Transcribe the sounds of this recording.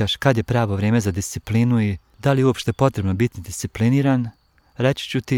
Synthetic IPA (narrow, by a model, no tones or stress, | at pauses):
aʃkad̪je̞pɾaːʋo̞ʋɾeːmezad̪ist̪siplinui | d̪alijuopʃt̪epo̞t̪ɾe̞bnobit̪id̪ist̪ipliniːɾan | ɾet͡ɕi̥t͡ɕut̪i